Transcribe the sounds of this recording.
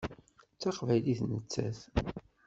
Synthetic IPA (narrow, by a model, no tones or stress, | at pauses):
t͡sːɑqvæjliθnət͡sːæ̰θ